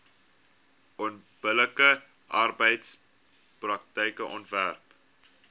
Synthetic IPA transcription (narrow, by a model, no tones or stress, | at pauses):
ɔnb̥ələkə | ʔɐrbəjts | prɐktəjkəʔɔ̰ntværp